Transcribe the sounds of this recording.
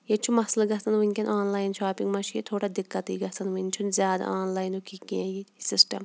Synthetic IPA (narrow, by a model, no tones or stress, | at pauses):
jet͡ʃʰumɐslɡɐsɐnʋɨnʲkʲɐnʔaːnlaːjnʃaːpiŋɡmɐʃijet̪ʰoːɽad̪ɪkːɐt̪iːɡɐsɐnʋɨnʲt͡ʃʰunzʲjaːd̪a̰aːnlaːjnukikʲẽjisɪsʈɐm